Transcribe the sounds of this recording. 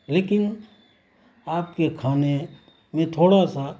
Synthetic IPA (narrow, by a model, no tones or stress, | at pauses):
leːkɪn | aːp̚kekʰaːne | mẽt̪ʰoːɽasa